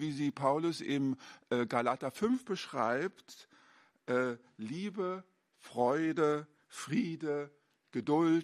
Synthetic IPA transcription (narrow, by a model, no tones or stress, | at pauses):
viːziːpʰaʊlʊsɪmʔɛɡalatɐfʏnfb̥əʃʁ̥a̰ɪpt | ʔɛː | liːbə | fʁ̥ɔʏdə | fʁ̥iːdə | ɡ̥ədʊlt